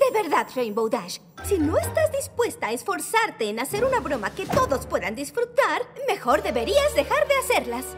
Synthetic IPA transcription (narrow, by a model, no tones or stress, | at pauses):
d̪eβe̞ɾðaðrejmbowðaʃ | sino̞est̪azd̪ispwe̞st̪aːesfo̞ɾsaɾt̪e̞ːnase̞ɾunaβɾo̞make̞t̪o̞ðo̞spwe̞ðand̪isfɾut̪aɾme̞xo̞ɾðe̞βe̞ɾiazðe̞xaɾðe̞ase̞ɾlas